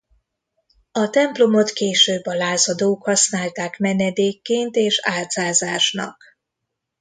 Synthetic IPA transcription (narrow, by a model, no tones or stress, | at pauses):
ɒt̪ɛmplo̞mo̞t̪keːʃøːbːɒlaːzɒd̪oːkhɒsnaːlt̪aːkmɛnɛd̪eːkːeːnt̪eːʃaːlt̪zaːzaːʃnɒ̰k